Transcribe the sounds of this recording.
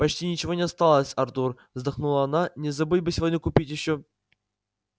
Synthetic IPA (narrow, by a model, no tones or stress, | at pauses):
pɐt͡ɕtʲinʲɪt͡ɕɪvonʲɪɐst̪alˠəsʲɐrt̪urvzd̪ɐχnulˠɐːnanʲɪzɐbɨlʲbɨsʲɪvodʲnʲɪkʊpʲitʲjɪɕːo